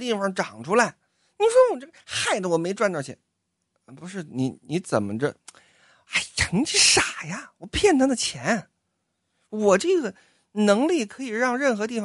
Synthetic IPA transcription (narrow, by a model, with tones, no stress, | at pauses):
t̪̬i˥˩fɑ˧˩ŋʈ͡ʂɑ˨˩ŋʈ͡ʂʰu˥la˧˥˦ɪ | ni˨˧˩ʂwɔ˥wɔ˨˩ʈ͡ʂɤ˥˩ɡə˩xa˥˩ɪd̪ə˩wɔ˨˩me˧˥ɪʈ͡ʂwa˥˧nt̪ɑ˥˩t͡ɕʰjɛ̰˧˥n˧˩ | pu˧˥ʂɻ̩˥˩ni˧˥ni˧˥t͡sə̰˨˩mə̰˦ʈ͡ʂə˧ | a˥˩ɪʈ͡ʂʰɤ˧˥ŋt͡ɕi˥˩ʂa˨˩ja˥wɔ˨˩pʰjɛ˥˩nt̪ə˥d̪ə˧˨t͡ɕʰjɛ˧˥n | wɔ˨˩ʈ͡ʂɤ˥˩ɡə˩ | nɤ˧˥ŋli˥˩kʰɤ˧˥i˨˩ɻɑ˥˧ŋɻə˥˩nxɤ˧˥t̪̬i˥˩fɑ˨˩